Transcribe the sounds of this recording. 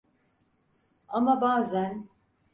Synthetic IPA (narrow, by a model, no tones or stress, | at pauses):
amabaːzæn